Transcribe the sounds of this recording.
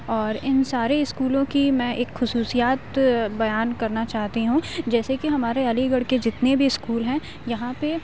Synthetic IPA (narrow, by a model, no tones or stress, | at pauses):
ɔːɾɪnsaːɾeɪskuːlõkimɛ̃ːʔeːkxʊsuːsijaːt̪bɐjaːnkɐɾnat͡ʃaːɦt̪iɦũd͡ʒɛːsekiɦɐmaːɾeɐliɡɐɽked͡ʒɪt̪nebʱiɪskuːlɦɛ̃ː | jɐɦãpe